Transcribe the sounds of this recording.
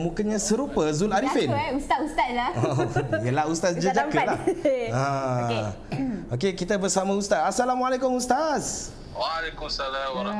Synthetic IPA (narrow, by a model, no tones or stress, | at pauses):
mukəɲãsəɾupəzunaɾifenust̪at̪ust̪at̪̚laojəlahust̪asd͡ʒəd͡ʒakəlaha | okekit̪abərsamãust̪atasalamualekʊmust̪as | walekumsala